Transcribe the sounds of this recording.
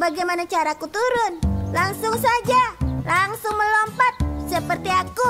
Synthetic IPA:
baɡajmanat͡ʃaɾakut̪uɾʊnlaŋsʊŋs̬ad͡ʒalaŋsʊŋməlɔmpat̪̚səpərt̪iaku

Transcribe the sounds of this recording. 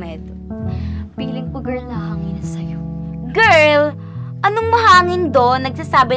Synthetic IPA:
ɛd̪ | biːlɪŋpɐɡɛɹlnɐhaŋɪnɐsɐjo | ɡɛɹl | ʔɐnoŋmɐɦaːŋɪnd̪onːɐɡ̚sasaːbɪ

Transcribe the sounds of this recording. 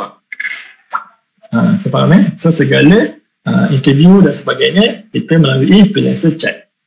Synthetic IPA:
asəpaɾaməsosəɡalə | əint̪əviudansəbaɡajɲə̃kit̪əmə̃laluʔipilã̰nsət͡ʃɛ̰t̪̚

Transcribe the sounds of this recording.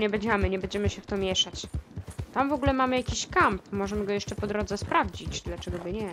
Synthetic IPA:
ɲɛbɛɲd͡ʑɛmɘɲɛbɛɲd͡ʑɛmɘɕɛft̪ɔmʲjɛʂat͡ɕt̪amvɔɡulɛmamɘjakʲiɕkampmɔʐɛmɘɡɔjɛʂt͡ʂɛpɔd̪ɾɔd̪zɛspɾavd͡ʑit͡ɕd̪lat͡ʂɛɡɔbɘɲɛ

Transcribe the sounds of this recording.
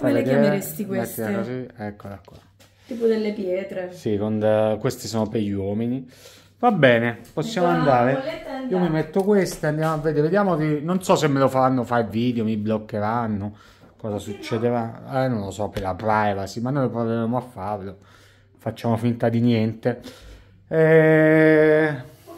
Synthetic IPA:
aed̪eest̪ikweɛst̪ːiksiɛkːod̪akːɔɾ | t̪iːpod̪elːepjɛːt̪ɾesikond̪kwest̪isoːnopejːwɔːmini | vabːɛːneposːjaːmoand̪aːɾeiomimet̪ːokwest̪eand̪jaːmoavːed̪eːɾved̪jaːmot̪inonsɔsemːelofaɾanːofajvid̪eomiblokːeɾanːo | kɔːzasut͡ʃːɛd̪eɾaɛnonlosɔpelapɾajvasimanːojlpɾaveɾemoafːaɾlo | fat͡ʃːaːmofint̪ad̪injɛnt̪e | ɛ

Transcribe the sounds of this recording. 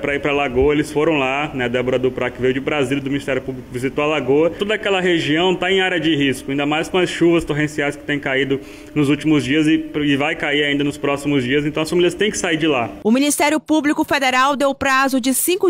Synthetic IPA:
pɾɐiɾpɾɐlaɡoɐelɪsfoɾɐ̃w̃lanɛd̪ɛboɾɐd̪ʊpɾakɪvejwd͡ʒɪbɾazild̪ʊminist̪ɛɾjʊpublikʊvizit̪oɐlaɡoɐt̪od̪ɐakɛlɐɦeʒiɐ̃w̃t̪aẽj̃aɾɐd͡ʒɪɦiskʊaĩnd̪ɐmajskõɐsʃuvɐst̪oɦẽsiajskɪ̥t̪ẽj̃kaid̪ʊ | nʊzut͡ʃimʊzd͡ʒiɐzɪɪvajkaiɾaĩnd̪ɐnʊspɾɔsimʊzd͡ʒiɐzẽt̪ɐ̃w̃ɐsfamiliɐst̪ẽj̃kɪ̥saiɾd͡ʒɪlaʊmĩnist̪ɛɾjʊpublikʊfed̪eɾawd̪ewpɾazʊd͡ʒɪsĩkʊ

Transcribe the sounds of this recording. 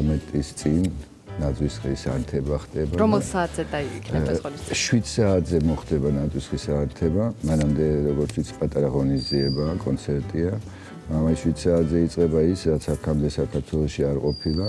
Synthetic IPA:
mɛt̪ʼist̪sʼinː | ad̪zʼwisχisa̰ɾt̪ʰɛbaχd̪ʼɛbaɾɔmɛlˠsaːt̪ʰzɛd̪aiikʰnɛɔʃwid̪saːt̪ʰzɛmɔχd̪ɛbanad̪zwisχisaɾt̪ʰɛbamanamd̪ɛɾɔɡɔɾt̪ʰit̪sʰpʼat̪ʼaɾaʁɔnizd̪ziɛbaːkʼɔnt̪sʰɛɾt̪ʼia | amasʃwid̪̥saːt̪zɛit̪sʼqʼɛbaisɾat̪sʰakʰamd̪ɛsakʰaɾt̪ʰwɛlˠɔʃiaɾqʼɔpʰilˠa

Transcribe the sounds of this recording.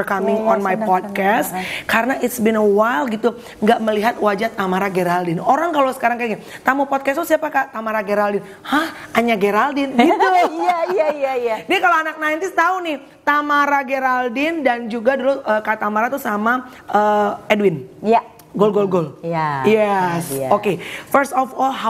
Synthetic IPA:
ɔrkamɪŋɔnmajpɔd̚kɛskaɾənaʔɪt̪sbinəwalɡit̪u | ŋɡaʔməliɦat̪wad͡ʒat̪amaɾaɡeɾaldɪnoɾaŋkalosə̥kaɾaŋkaŋat̪amupɔt̪̚kɛst̪usiapakat̪amaɾaɡeɾaldɪn | hahʔaɲaɡeɾaldɪnɡit̪ujajajadakaloanak̚naint̪ɪst̪aunɪh | t̪amaɾaɡeɾaldɪndand͡ʒuɡaduluʔəkat̪amaɾat̪usama | əedwɪnj | ɡolɡolɡoljɛsokefərst̪ɔfɔlɦa

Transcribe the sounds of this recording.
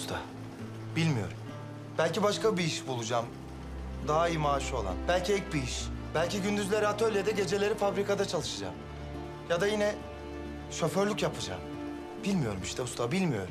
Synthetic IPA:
st̪ʰa | bilʲmijo̞̰ɾum | b̥ælʲcibaʃkabiiʃbulˠud͡ʒaːm | d̪aɦaijmaːʃo̞lˠa̰nbælʲcʰiɛlc̚biiʃb̥ælʲciɟynd̪yzlʲe̞ɾiat̪ʰølʲed̪ɛɟe̞d͡ʒe̞lʲe̞ɾifabɾikad̪at͡ʃʰalˠɯʃɯd͡ʒa̰ːm | jad̪ajinɛ | ʃø̞fø̞ɾlʲycjapʰɯd͡ʒa̰ːm | b̥ilʲmijo̞ɾumiʃt̪ʰɛust̪ʰabilʲmijo̞̰ɾum

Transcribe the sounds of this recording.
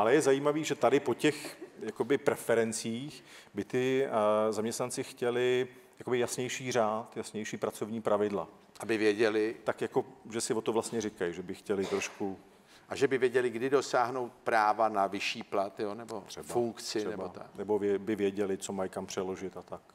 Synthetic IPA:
ʔalɛjɛzajiːmaviːʒɛt̪adɪpo̞cɛxjakobɪpɾɛfɛɾɛnt͡siːxbɪt̪ɪzamɲɛst̪nant͡sɪxcɛlɪ | jakobɪjasɲɛjʃiːr̝aːt̪jasɲɛjʃiːpɾat͡so̞vɲiːpɾavɪdla̰ | ʔabɪvjɛɟɛlɪt̪akjako̞ʒɛsɪvo̞t̪ovlast̪ɲɛrɪkajʒɛbɪxcɛlɪt̪ɾoʃku | ʔaʒɛbɪvjɛɟɛlɪɡdɪdo̞saːɦnowt̪̚pɾaːvanavɪʃiːplat̪jonɛbot̪r̥ɛbfauŋkt͡sɪnɛɛbboat̪a̰nɛbo̞vjɛbɪvjɛɟɛlɪt͡so̞majkampr̥ɛlo̞ʒɪt̪at̪ak

